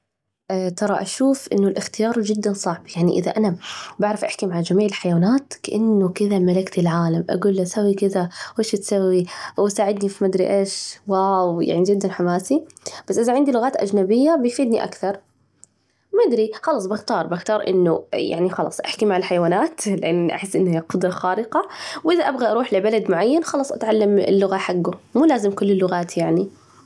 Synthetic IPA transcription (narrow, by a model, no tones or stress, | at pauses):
ʔt̪ɑɾˤɑʔaʃuːfʔɪ̰nːʊlʔɪxt̪ɪjɑːɾˤd͡ʒɪd̪ːansˤɑʕbjaʕniʔɪða̰ʔanabaʕɾɪfʔaħkimaʕad͡ʒamiːʕɪlħajwaːnaːt̪kaʔanːʊkɪðamalakt̪ilʕaːlamʔa̰ɡuːlːasawːikɪðawʔeːʃat̪sawːiwsaːʕɪd̪nifimad̪ɾḭʔeːʃwawja̰ʕnid͡ʒɪd̪ːanħamaːsi | b̥asʔɪðaʕɪnd̪ilʊɣaːt̪ʔa̰d͡ʒnabɪjːabɪfiːd̪niʔa̰kθɑɾˤ | mad̪ɾixɑlɑsˤbɪxt̪ɑːɾˤbɪxt̪ɑːɾˤʔɪ̰nːʊja̰ʕnixɑlɑ̰ːsˤʔaħkimaʕɪlħajwaːnaːt̪lɪʔanʔa̰ħɪsːʔɪnːhijaqʊd̪ɾˤɑxaːɾɪqɑwʔɪðaʔabɣaʔɑɾˤuːħlɪbalad̪mʊʕajːanxɑlɑːsˤʔat̪ʕalːamɪ̰lːʊɣaħaɡːʊmuːlaːzɪmkʊlːɪlːʊɣaːt̪jaʕni